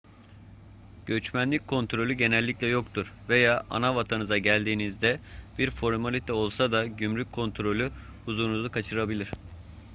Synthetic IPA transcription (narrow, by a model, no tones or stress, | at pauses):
ɟ̥ø̞t͡ʃmænlʲic̚kʰo̞nt̪ɾo̞lʲyɟe̞nɛlʲːiclʲɛjo̞kt̪ʰuɾve̞jaːʔa̰navat̪ʰanɯzaɟælʲd̪iːnizd̪ɛb̥iɾfo̞ɾmalʲit̪ʰɛo̞lˠsad̪aɟymɾyc̚ʰo̞nt̪ʰɾo̞lʲy | huzuːnuzukʰat͡ʃʰɯɾabilʲiɾ̝̥